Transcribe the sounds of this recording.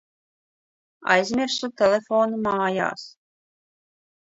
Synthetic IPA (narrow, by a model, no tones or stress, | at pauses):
ɑ̰jzmʲeɾsut̪ʰɛlʲɛfoːnmɑːjɑ̰ːs